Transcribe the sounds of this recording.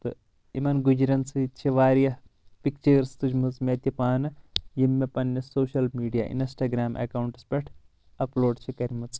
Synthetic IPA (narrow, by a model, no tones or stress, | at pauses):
t̪ɨ | imɐnɡud͡ʒɾɐnsɨt͡ʃʰiʋaːɾjɐ | pik̚t͡ʃɐːɾst̪ud͡ʒmɨt͡smʲɐt̪ipaːnɐjimːepɐnːɐsoːʃɐlmiːɖija̰ːʔḭnsʈaːɡɾaːmʔɐ̰kaːwuɳʈɐ̥spʲɐʈʰ | ɐploːɖt͡ʃʰikɐɾʲmɐt͡s